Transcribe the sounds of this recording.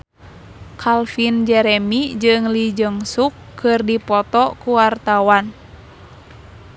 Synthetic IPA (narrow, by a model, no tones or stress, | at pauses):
kʰalfind͡ʒɛɾɛmid͡ʒɨŋlid͡ʒəŋsukʰːɨrdipɔt̪ɔkuwart̪awan